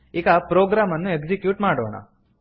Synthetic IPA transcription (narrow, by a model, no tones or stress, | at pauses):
iːɡapɾoːɡɾaːmɐnːuekd͡ʒikjuːʈmaːɽo̰ːɳa̰